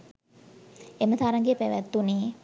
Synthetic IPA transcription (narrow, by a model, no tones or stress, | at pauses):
emət̪aːɾaŋɡeəpæʋæt̪ːune